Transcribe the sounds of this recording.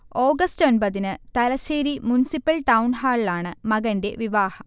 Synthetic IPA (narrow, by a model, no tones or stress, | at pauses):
o̞ːɡɐsto̞nbɐðinɨt̪ɐlɐɕeːɾimunisipːɐlʈɐwnɦaːɭlaːɳɨmɐɣɐnde̞ʋiʋaːhɐ